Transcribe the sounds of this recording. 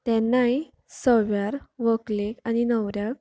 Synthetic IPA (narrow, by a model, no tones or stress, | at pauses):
t̪ɛ̃nːaj | səʋjaɾʋəklekaninəwɾjak̚